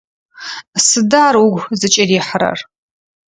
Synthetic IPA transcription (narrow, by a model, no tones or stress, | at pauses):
sɨdaːrwʊɡʷzɨt͡ʃʼɐriːħəɾɐ̰r